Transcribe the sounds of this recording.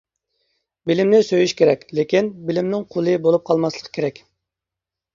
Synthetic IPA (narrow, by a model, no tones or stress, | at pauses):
bɪlɪmnɪsøjyʃkʲeɾɛkʲlekʲinbɪlɪmnɪŋqʰolˠɨbolˠup̚qʰɑlˠmɑslˠə̥qʰə̥kʲʰeɾɛkʲ